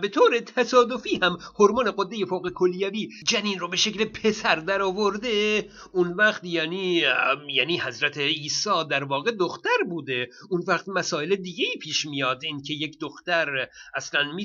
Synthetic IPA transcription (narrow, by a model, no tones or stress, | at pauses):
be̞t̪ʰoːɾe̞t̪ʰæsɒːd̪ofiːhæmhoɾmɑːne̞ɡod̪ːe̞je̞foːɣekʰoljæviː | d͡ʒæniːnrobe̞ʃeclepʰe̞sæɾd̪æɾɒːvoɾd̪e | ʔunvæχt̪jæːniːjæːniːhæzɾæt̪ʰeiːsɒːd̪æɾvɒːɣe̞d̪oxt̪æɾbuːd̪e̞ | unvæχt̪mæsɒːeled̪iːɟʲe̞iːpʰiːʃmijɒːd̪inkʰe̞je̞cd̪oxt̪æɾæslænmiː